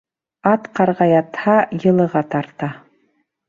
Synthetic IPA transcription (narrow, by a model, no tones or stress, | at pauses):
ɑt̪qɑɾʁɑjɑt̪hɑjɤ̆lˠɤ̆ʁɑt̪ɑɾt̪ɑ